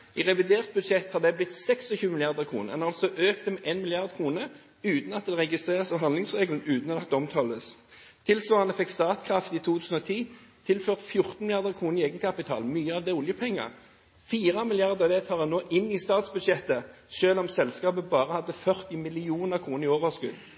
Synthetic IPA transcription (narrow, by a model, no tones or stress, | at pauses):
ɪʁɛʋɪd̪eːʁt̪̚bʉd̪ʃɛt̪hɑʁd̪ɛblɪt̪sɛkst̪ɔçʉːmɪlɪɑʁd̪əʁkʰʁṵːnə̰ɛ̰nɑlsɔʔøːkt̪əmɛʔeːnmɪlɪɑʁd̪kʰʁuːnə | ʉːt̪n̩ɑt̪̚d̪ɛʁɛɡɪst̪ʁeːʁəsɑːʋɦɑnd̪lɪŋsʁeːɡlən̩ʉːt̪n̩ɔɑkt̪əɔmt̪ʰɑləst̪ʰɪlsʋɑːʁɑnəfɛkst̪ɑːt̪kʰʁɑft̪iːt̪ʰuːt̪ʰʉːsn̩ɔt̪ʰiːt̪ʰɪlføːʁt̪fjʊʁt̪n̩mɪlɪɑʁd̪əʁkʰʁuːnɾɪeːɡənkʰɑpɪt̪ʰɑ̰ːlmyːəɑʋd̪ɛʊljəpʰɛŋːə̰ʁ | fiːʁɑmɪlɪjɑʁd̪əʁɑʋd̪ɛt̪ʰɑːʁd̪ɛnoːʔɪnːɪst̪ɑːt̪sbʉd̪ʂɛt̪ə | ʃøːlɔmsɛlskɑːbəbɑːʁəhɑd̪ːəfœʁt̪ɪmɪlɪuːnəʁkʰʁuːnəʁɪoːʋəskʉd̪